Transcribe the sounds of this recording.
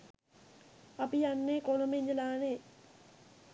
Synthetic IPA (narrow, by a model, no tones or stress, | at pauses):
apijanːeːkolomeɲd͡ʒəlaːneː